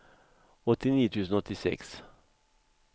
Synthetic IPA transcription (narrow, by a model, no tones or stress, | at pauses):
ɔt̪ːɪniːt̪ʰʉːsn̩ɔt̪ːɪsɛ̰ks